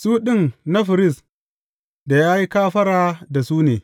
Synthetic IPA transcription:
suː˦ɗɪ˦nna˦ɸɪ˨ɾɪ˦˨s | da˨jaː˦ji˦kaː˦ɸɐ˦ɽaː˦da˨suː˦neː˨

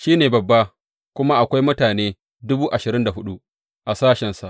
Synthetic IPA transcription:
ʃiː˦neː˨bɐ˨bːa˦ | kʷʊ˦ma˦ʔa˨kʷa˦jmʊ˦taː˨neː˦ | dʊ˦buː˦ʔa˨ʃɪ˨ɾɪ˦nda˨ɦʊ˦ɗu˦ʔ | ʔa˨saː˦ʃɛ˨nsa˨ʔ

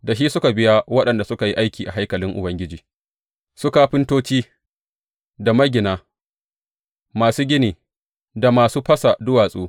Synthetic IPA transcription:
da˨ʃ̬iː˦sʊ˦ka˨bɪ˦ja˦wɐ˦ɗɐ˨nda˨sʊ˦ka˨ji˦ʔa˦jkʲiː˨ʔa˨ɦa˦jkɐ˨lɪ˦ŋʔʊ̰˨bɐ˦ŋɡʲɪ˦d͡ʒiː˨ | sʊ˦kaː˦ɸɪ˦ntoː˦t͡ʃiː˦ | da˨mɐ˦ɡʲɪ˨naː˦ | maː˨suː˦ɡʲɪ˦niː˨ | da˨maː˨suː˦ɸɐ˦sa˨dʊ˦waː˨sʼuː˦

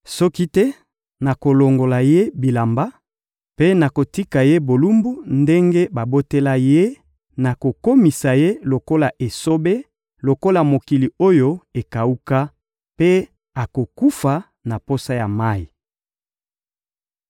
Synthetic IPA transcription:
sɔ˦ki˦tɛ˦ | na˨ko˨lo˨ŋɡo˨la˨je˦bi˨la˨mba˦ | pe˦na˨ko˨ti˦ka˨je˦bo˨lu˦mbu˦nde˦ŋɡe˦ba˨bo˦te˦la˦je˦ | na˨ko˨ko˦mi˨sa˨je˦lo˨ko˦la˨ʔe˨so˦be˦ | lo˨ko˦la˨mo˨ki˨li˨o˦jo˦e˨ka˨u˦ka˦ | pe˦ | a˨ko˨ku˦fa˨ | na˨po˦sa˦ja˨ma˦i˨

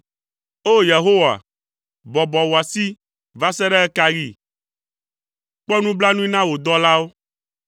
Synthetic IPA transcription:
o˦je˨ɦo˦wa̰˨ | bɔ˨bɔ˨wo˨a˨si˦ | va˦sɛ˦ɖɛ˦ɛ˦ka˦ɾi˦˨ | k͡pɔ˦nũ˦bla˦nũ˦i˦nã˦wo˨d̪ɔ˦la˦wo˦

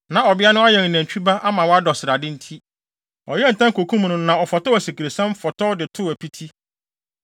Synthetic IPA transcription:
nã˨ɔ˨bɪ˦a˦nʊ̃˦a˦jɛ˨ŋ̩˨næ̃˨ɲ˨t͡ɕᶣi˦ba˦ʔa˦mã˨wɔ˦a˦dɔ˨sɪ˨ɾa˨dɪ˦n̩˦tʰi˦ | ɔ̰˨jɛ˦n̩˨tã˦ŋ˦kʰo˨kʰũ˦m˨nʊ̃˦nã˨ɔ˨fɔ˨tɔ˦æ˨si˨kʰi˨ɾe˨sã˦m˦fɔ˨tʰɔ˦dɪ˨tʰʊ˦æ˨pʰi˦tʰi˦

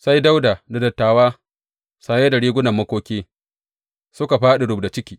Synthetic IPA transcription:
sa˦jda˦wdaː˨da˨dɐ˨tːaː˨waː˦ | saː˨jeː˦da˨ɽiː˦ɡʷʊ˦nɐ˨mːɐ˦kʷoː˦kʲeː˦ | sʊ˦ka˨ɸaː˦ɗe˨ɽʊ˨bda˨t͡ʃɪ˦kʲiː˨

